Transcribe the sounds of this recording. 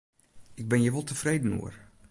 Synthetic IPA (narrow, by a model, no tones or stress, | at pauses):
ɪɡ̚bɪnjəʋolˠtəfrejdən̩ṵər